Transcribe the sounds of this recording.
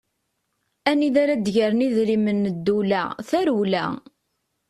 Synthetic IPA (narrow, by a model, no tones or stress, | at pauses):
æniðaɾad̪ʝəɾəniðɾimənːəd̪ːulæθæɾuwlæ̰